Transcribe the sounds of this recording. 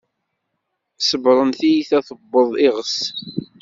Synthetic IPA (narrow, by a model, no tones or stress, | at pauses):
səvɾˤənθijiθæθəbːəðˤɪʁəs